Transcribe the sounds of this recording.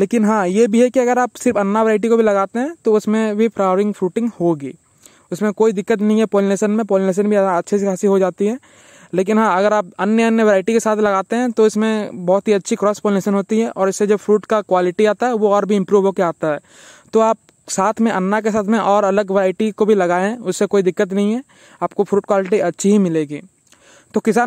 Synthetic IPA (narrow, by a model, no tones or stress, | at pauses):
leːkɪnɦãːjebʱiɦɛkiɐɡəɾaːpsɪɾfɐnːaʋeɾaːɪʈ̬ikobʱilɐɡaːt̪eɦɛ̃t̪oʊsmẽbʱipʰɾaːɾɪ̃ŋɡfɾuːʈɪ̃ŋɡhoɡiː | ʊsmẽkoːid̪ɪkːət̪nəɦĩɦɛpoːlneːʃənmẽpoːlneːʃ̬ənbʱiɐtːʃʰes̬ekʰaːsiɦod͡ʒaːt̪iɦɛː | leːk̬ɪnɦãːɐɡəɾaːp̚ɐnjəɐnjəʋeɾaːɪʈikesaːt̪ʰlɐɡaːt̪eɦɛ̃t̪oɪsmẽbɔːt̪ɦiɐtːʃʰikɾɔːspoːlɪneːʃənɦoːt̪iɦɛʔɔːɾɪsːed͡ʒobfʰɾuːʈkakwaːlɪʈiaːt̪aɦɛʋoɔːɾbʱiɪ̃mpɾuːʋɦokeaːt̪aɦɛː | t̪oaːp̚ | saːt̪ʰmẽʔɐnːakesaːt̪ʰmẽʔɔːɾɐləɡʋeɾaːɪʈikobʱilɐɡaːeʊsːekoːid̪ɪkːət̪nɐɦĩɦɛ | aːp̚kofʰɾuːʈ̚kwaːlɪʈiɐtːʃʰiɦimɪleːɡiː | t̪okɪsaː